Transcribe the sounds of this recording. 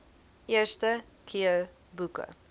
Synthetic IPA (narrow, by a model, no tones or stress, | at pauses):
ʔestə | kʰiə | bukə̰